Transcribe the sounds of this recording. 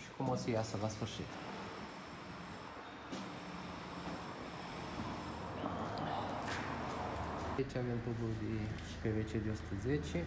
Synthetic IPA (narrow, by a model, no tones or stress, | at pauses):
ʃi̥kumosəjasəlasfɨrʃḭt̪ | t͡ʃavemt̪ud̪uld̪i | pevet͡ʃed̪eosu̥t̪ʰəzet͡ʃi